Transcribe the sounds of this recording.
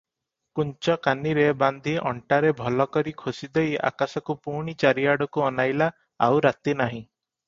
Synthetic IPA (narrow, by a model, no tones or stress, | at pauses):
kunt͡ʃɔkaniɾeband̪ʱiʔɔɳʈaɾebʱɔlɔkɔɾikʰosid̪eja̰kasɔkupuɳ̃it͡ʃaɾiaɽɔkuɔnajla | a̰wɾat̪inaɦĩ